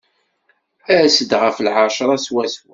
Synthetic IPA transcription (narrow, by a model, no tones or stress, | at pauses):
æsəd̪ʁəflʕɑʃɾˤɑswæswæ